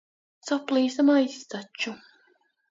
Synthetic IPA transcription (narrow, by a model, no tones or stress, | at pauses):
sɔplˠiːsamajst̪at͡ʃːu